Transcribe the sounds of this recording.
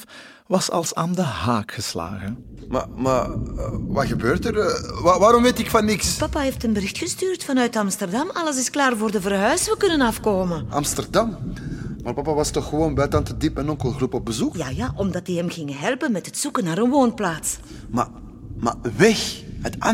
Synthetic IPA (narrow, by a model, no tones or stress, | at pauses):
ʋɑsɑ̰lˠsa̰ːndəhaːkxəsla̰ːɣən | ma̰ma | ʋɑɣəbøːrtəraʋaːɾɔmʋeːtɪkfɑnːɪkspɑpaːɦeːftənbəɾɪxtxəstyːrtfɑnœɥtɑmstərdɑmɑləs̬ɪsklaːrvoːrdəvərɦœɥsʋəkɵnənɑfkoːmənɑ̰mstərdɑmmaːrpɑpaʋɑstɔxːəʋoːnbɛtɑntədipmɛnɔŋkəlˠɣrupɔp̚bəzukjaːjaːʔɔmdɑt̚diɦɛmɣɪŋəɦɛlˠpənmɛtɦətsukənaːɾənʋoːnplaːts | ma̰ | ma̰ʋɛxɦəta